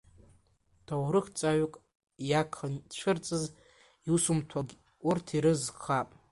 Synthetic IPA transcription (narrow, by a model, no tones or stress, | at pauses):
tʰowrɨχt͡sʼaɥkʼ | jakʰant͡ʃʷʰɨrt͡sʼɨz | iusumtʰaɡʲ | urtʰiɾɨzχapʼ